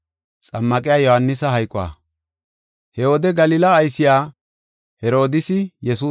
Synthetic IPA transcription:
t͡sʼɐmːɐkʼɪjaːjɔhɐnːɪsɐɦɐjkʼʊwa̰ː | hɛwɔd̪ɛɡɐlɪːlɐːjsɪjaː | hɛɾo̞ːd̪ɪsɪjɛsuː

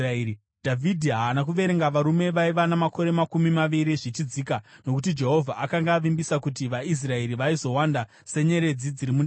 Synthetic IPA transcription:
dʱavʱidʱiɦaːnakuʋe̞ɾe̞ŋɡaʋaɾume̞ʋaiʋanamako̞ɾe̞makumimaʋiɾiʐit͡ʃid͡zikano̞kut̬id͡ʒe̞ɦo̞vʱaʔakaŋɡaːʋimbisakut̬iʋais̬rae̞ɾiʋaizo̞wanda | se̞ɲe̞ɾe̞d͡zid͡ziɾimun

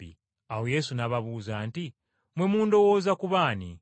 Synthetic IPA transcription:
ḭ | ahoje̞sunaβaβuːzanti | mwemuːndowozakuβani

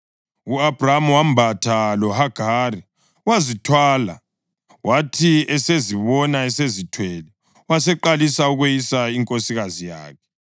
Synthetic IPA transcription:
uabʱramwambʱatʰalɔhaɡ̥ʱari | wazitʰwaːla̰ | watʰiɛseziβɔnaɛsezitʰwɛlɛ | wasɛǃalisauɣejisaiŋkʼosiɣazija̰ːkʰɛ̥

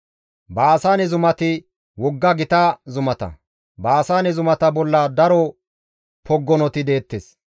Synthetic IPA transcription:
baːsaːnɛzʊmɐt̪ɪ | wɔɡːɐɡɪt̪azʊmɐt̪ɐ̰ | baːsaːnɛzʊmɐt̪ɐbɔlːɐd̪ɐɾɔ | pʰɔɡːɔnɔt̪ɪd̪e̞ːt̪ːes

